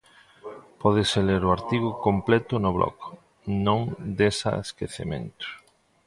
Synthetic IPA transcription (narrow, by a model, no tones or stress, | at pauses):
pɔðeseleɾʊaɾt̪iɣʊkomplɛt̪ʊnʊβlʔɔ̰k | nõŋd̪esa̰eskeθḛmḛ̃nt̪ʊ̥